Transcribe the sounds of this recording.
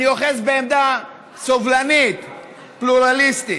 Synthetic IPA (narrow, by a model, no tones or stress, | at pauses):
nioχesbeːmd̪a | sovlanit̪ | pluʁalist̪i